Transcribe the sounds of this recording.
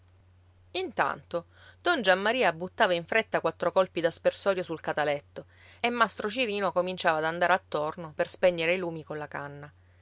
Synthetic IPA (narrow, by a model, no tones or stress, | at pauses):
int̪a̰nt̪o | d̪̥ɔnd͡ʒamːaɾiːabːut̪ːaːvaiɱfɾet̪ːakwat̪ːɾokɔlpid̪aspersɔːɾjosulkat̪alɛt̪ːo | emːast̪ɾot͡ʃiɾiːnokomint͡ʃaːvaːd̪and̪aːɾeat̪ːornoperspɛɲːeɾeiluːmikonlakanːa